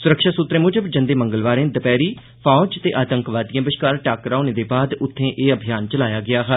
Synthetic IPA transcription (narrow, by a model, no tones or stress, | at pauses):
sʊɾəkʃaːsʊt̪ɾẽːmʊd͡ʒəbd͡ʒə̃nd̪eːməŋɡəlʋaːɾẽːd̪əpɛːɾiː | pʰɔːd͡ʒt̪eːʔaːt̪əŋkʋaːd̪ijãːbɪʃkaːɾʈaːkɾaːneːd̪eːbaːd̪ʊt̪ʰːẽːʔeːəbʱijaːnt͡ʃəlaːjaːɡɪaːɦə